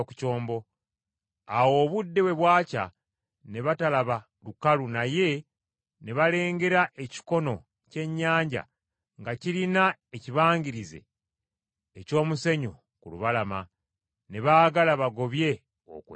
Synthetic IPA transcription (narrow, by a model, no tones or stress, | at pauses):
ku̥co̞ːmbo̞ | awo̞ːβudːe̞we̞βwaːca̰ | ne̞βatalaβa | lukalunaje̞ | ne̞βale̞ːŋɡe̞ɾaʔe̞ci̥ko̞no̞ | ce̞ɲːaːɲɟa̰ | ŋɡaciɾinaeciβaːɲɡiɾize̞̰ | co̞ːmuse̞ɲo | kuluβalama | ne̞βaːɡalaβaɡo̞βje̞ | o̰kwe